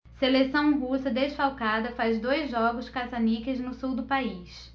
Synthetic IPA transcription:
selesɐ̃w̃ɦusɐd̪eʃfawkad̪ɐfazd̪ojzʒːɔɡʊskazanikɪznʊsuwd̪ʊpaiʃ

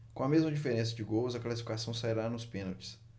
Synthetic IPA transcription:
kõɐmezmɐd͡ʒifeɾẽs̬ɐd͡ʒɪɡowzɐklasi̥fikasɐ̃w̃saiɾanʊspẽnowt͡ʃɪ̥s

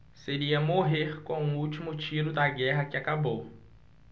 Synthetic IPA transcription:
seɾiɐmoɦeɾkõw̃ũuwt͡ʃimʊt͡ʃiɾʊd̪ɐɡɛɦɐkɪakabow

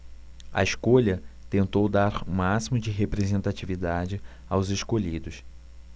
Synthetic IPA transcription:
ɐ̰eʃkoʎɐt̪ẽnt̪owd̪aɾũmasimʊd͡ʒɪɦepɾezẽnt̪at͡ʃivid̪ad͡ʒɪ | a̰wzeʃkoʎid̪ʊs

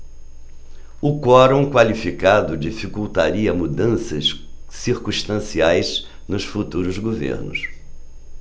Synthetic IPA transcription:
ʊkɔɾõw̃kwalifikad̪ʊd͡ʒifikuwt̪aɾiɐmud̪ɐ̃sɐssiɾkũʃt̪ɐ̃siajz | nʊsfut̪uɾʊzɡovḛɾnʊ̰s

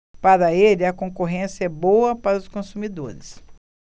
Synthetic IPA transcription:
paɾɐelɪɐkõkoɦẽsjɛbowɐpaɾɐʊskõsumid̪o̰ɾɪs

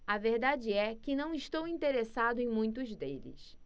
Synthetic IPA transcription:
ɐveɾd̪ad͡ʒɪɛkɪnɐ̃w̃ɪʃt̪owĩnt̪eɾesad̪ʊẽj̃mũj̃t̪̬ʊzd̪elɪ̰s

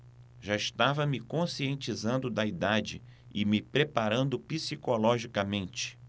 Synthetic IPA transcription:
ʒaɪʃt̪avɐmɪkõsiẽnt͡ʃizɐ̃nd̪ʊd̪ɐid̪ad͡ʒɪ | ɪmɪpɾepaɾɐ̃nd̪ʊpisikolɔʒikɐmẽnt͡ʃɪ̥

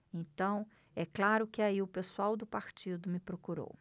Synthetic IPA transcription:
ẽt̪ɐ̃w̃ | ɛklaɾʊkɪaiʊpesuawd̪ʊpaɾt͡ʃid̪ʊmɪpɾokuɾo̰w

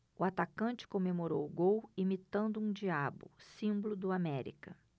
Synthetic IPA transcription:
ʊat̪akɐ̃t͡ʃɪ̥kõmemoɾowʊɡowimit̪ɐ̃nd̪ʊũd͡ʒiabʊ̰sĩmbʊlʊd̪ʊamɛɾḭkɐ

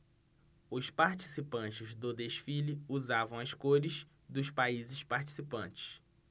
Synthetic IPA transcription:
ʊspaɾt͡ʃi̥sipɐ̃t͡ʃɪzd̪ʊd̪eʃfiliuzavɐ̃w̃ɐskoɾɪz | d̪ʊʃpaizɪspaɾt͡ʃi̥sipɐ̃t͡ʃɪ̥s

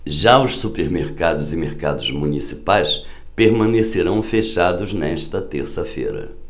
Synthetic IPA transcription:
ʒaʊʃsupeɾmeɾkad̪ʊzɪmeɾkad̪ʊzmunisi̥pajs | peɾmɐ̃neseɾɐ̃w̃feʃad̪ʊznɛʃt̪ɐt̪eɾsɐfḛɾɐ̰

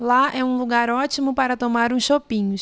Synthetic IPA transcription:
laɛũluɡaɾɔt͡ʃimʊpaɾɐt̪omaɾũsʃopĩɲʊs

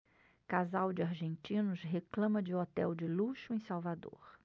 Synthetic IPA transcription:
kazawd͡ʒɪaɾʒẽnt͡ʃĩnʊsɦeklɐ̃mɐd͡ʒɪɔt̪ɛwd͡ʒɪluʃʊẽsawvad̪o̰ɾ

